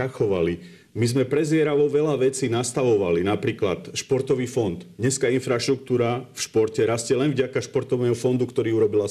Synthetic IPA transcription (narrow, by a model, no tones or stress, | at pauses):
axɔʋali | mizmɛpɾɛzɪɛɾaʋɔʋɛlaʋɛt͡siːnast̪aʋɔʋalinapɾiːklat̪ʃpɔɾt̪ɔʋiːfɔnd̪ɲɛskaːinfɾaʃt̪ɾuk̚t̪uːɾafʃpɔɾcɛɾascɛlɛnvɟakaʃpɔɾt̪ɔʋnɛːɦɔfɔnd̪ukt̪ɔɾiːuɾɔbila